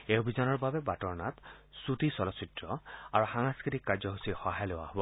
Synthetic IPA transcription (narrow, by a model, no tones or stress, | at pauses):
eobʱizɔnɔɹbabɛbatɔɹna̰tsutisɔlɔsitɹɔa̰ɹuxaŋaskɹitikːaɹzɔɦusixɔɦajlʊwa̰ɦobɔ